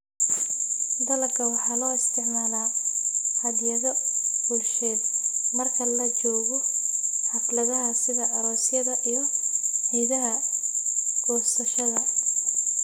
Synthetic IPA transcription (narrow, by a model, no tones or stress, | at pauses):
d̪ɐlɐkʰɐwɑħɑːlɔːɪst̪ʰɪʕmaːlaːhɐd̪jɐðɔbulʃɛːd̪mɐrkʰɐlɐt͡ʃɔːɣɔħɑflɐðɐɦɐsɪðɐɐɾɔːsjɐðɐʔijɞhɛjðɐɦɐ | ɡ̥ɔːsɐʃɐðɐ